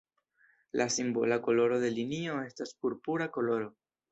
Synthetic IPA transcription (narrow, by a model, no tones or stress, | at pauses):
lʔasimbo̰lako̞lo̞ɾo̞ðe̞linio̞e̞staspuɾpuɾako̞lo̞ɾo̞